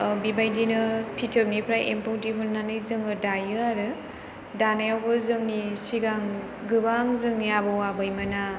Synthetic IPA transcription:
bibajdinɯpʰitʰɯp̚nipʰɾajʔḛmpʰowtipʰulnanɯjzɯŋɯdajɯaɾɯ | danajawbɯzɯŋnisiɡaŋ | ɡɯbaŋzɯŋnijabɯwabɯjmɯna

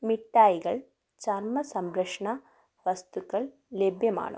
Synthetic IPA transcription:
miʈːaːjiɡɐɭ | t͡ʃɐɾmɐsɐmɾɐkʂɳɐ | ʋɐst̪ukːɐɭ | lebʱjɐma̰ːɳṵ

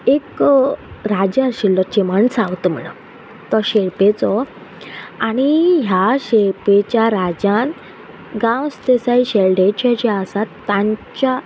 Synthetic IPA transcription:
ek | ɾad͡ʑaɕilːɔt͡ɕeməɳsawt̪əm̤ə̰ɳə̰ | t̪ɔɕeɾpet͡sɔ | añiɦjaɕeɾpet͡ɕjaɾad͡ʑan | ɡãwst̪esaiɕelɖet͡ɕat͡ɕeasat̪ːãɲt͡ɕa

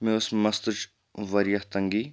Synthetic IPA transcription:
meosmɐst̪ut͡ʃ | ʋɐɾijɐht̪ɐŋɡiː

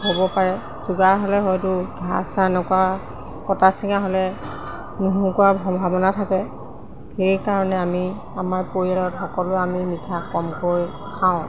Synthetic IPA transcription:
hobɔpaɹɛ | zuɡaɦolɛɦɔjtʊɡʱasanɔkua | kɔtasiŋaɦolɛ | nuɦũkʊabʱɔmbʱabɔnatʰakɛ | xejkaɹɔnɛami | amaɹpoɹialɔtxɔkɔlʊamimitʰakɔmkoj | kʰaʊ̃

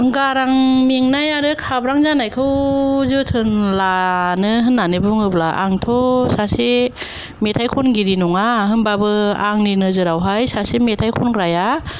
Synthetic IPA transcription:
ɡaɾaŋmiŋnajaɾɯkʰabɾaŋzanajkʰɯwzɯtʰɯnlanɯɦɯnːanɯbuŋɯblaʔa̰ŋtʰɔsase | metʰajkʰɔnɡiɾinɔŋaɦɯnbabɯaŋninɯzɯɾawɦajsasemetʰajkʰɔnɡɾaja

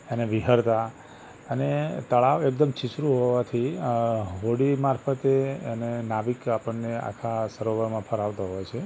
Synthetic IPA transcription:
eneʋiɦəɾt̪a | ənet̪əɭaʋek̚d̪əmt͡ʃisɾuɦɔʋat̪ʰi | ɦoɽimaɾfət̪eːnenaʋikapəɳːea̰kʰasəɾoʋəɾmãpʰəɾaʋt̪aɦɔjt͡ʃʰe

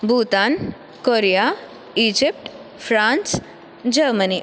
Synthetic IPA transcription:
bʱut̪an | koɾija | id͡ʑip̚ʈ | fɾãns | d͡ʑəɾməni

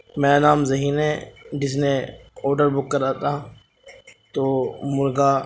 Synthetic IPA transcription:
mɛ̃ːnaːmzəɦiːnẽːd͡ʒɪs̬nẽɔːɾɖəɾbʊkːəɾaːt̪a | t̪oːmʊɾɡaː

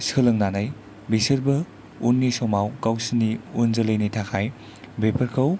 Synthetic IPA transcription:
sɯlɐŋnanaj | bisɐɾbɐ | unːisɔmawkawsinːiunzɐlɐjnitʰakʰaj | bepʰɐɾkʰɐw

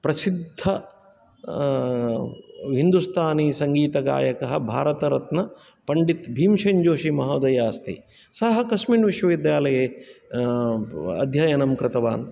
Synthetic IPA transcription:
pɾɐsid̪ʱːɐ | ɦind̪ust̪ʰaːniːsɐŋɡiːt̪ɐka̰ːjɐkɐɦɐ̆bʱaːɾɐt̪ɐɾɐt̪nɐ | pɐɳɖit̪bʱiːmʃɐɲd͡ʒoːʃimɐɦɐːd̪ɐjaːst̪ʰḭ | sɐɦɐ̆kɐsminʋiʃʋɐʋid̪jaːlɐjeː | ɐ̰d̪ʱjaːjɐnɐmkɾɪt̪ɐʋaːn

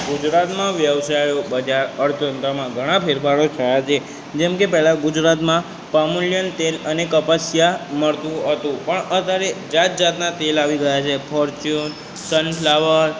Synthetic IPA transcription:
ɡʊd͡ʒɾat̪mãʋjəʋsajobəd͡ʒaɾəɾt̪ənt̪əmãɡʱəɽ̃ãpʰeɾpʰaɾot͡ʃʰəjat͡ʃʰe | d͡ʒɛmkepɛɦlaɡʊd͡ʒɾat̪mã | pəmuljənt̪elənekəpəsjaməɭt̪ũɦət̪ũpəɳət̪jaɾed͡ʒat̪̚d͡ʒat̪nat̪elaʋiɡəjat͡ʃʰepʰɔɾt͡ʃun | sənʰlaʋəɾ

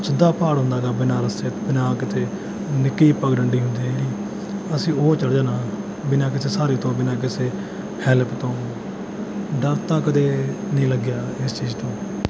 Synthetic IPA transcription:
sʰɪd̪aːpaːɽɦʊ̃nd̪aːɡaːbɪnaːɾəset̪bɪnãːkɪt̪ʰeː | nɪkːiːpəɡɖəɳɖiːɦʊnd̪iːeɾiː | əsĩːoːt͡ʃəɽd͡ʒaːnaː | bɪnãːkɪseːsaːɾiːt̪õːbɪnãːk̬ɪseː | hɛːləpt̪õː | ɖaɾt̪ãːkəd̪eːnəĩːləɡjaːɪst͡ʃiːzt̪õː

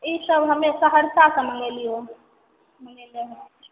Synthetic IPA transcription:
isəbɦəmẽsəɦəɾsasəmənelio | məneleɦɛ̃

